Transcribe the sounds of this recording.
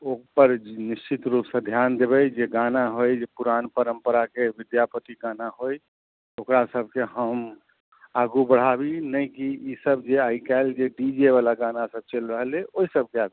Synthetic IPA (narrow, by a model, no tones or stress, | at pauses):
okpəɾniʃt͡ʃit̪ɾupsə̃d̪ʱjand̪ebɛjd͡ʒeɡanaɦojd͡ʒepuɾanpəɾəmpəɾakeʋid̪japət̪iɡanaɦoj | okɾasəbʱkeɦəm | aɡubəɽ̤abinəjkiisəbd͡ʒeaikald͡ʒeɖid͡ʒeβalaɡanasəb̚t͡ʃelɾəɦleoisəb̚keaɡu